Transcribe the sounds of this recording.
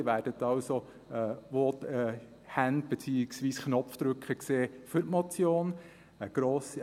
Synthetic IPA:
ʋæːɾd̥ət̪ɑwso | ɛːʋot̪ɛ | hænd̪̚b̥ɛt͡siːɪksʋiːsknɔpfd̪ɾɵkχəkseːfʏtmɔt͡sjoːn | əɡ̥ɾoːs

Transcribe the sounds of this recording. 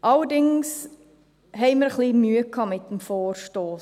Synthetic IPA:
ʔɐldɪŋs | ɦɛjməɾχlimyəkʰːɑmɛtəmfoːrstoː

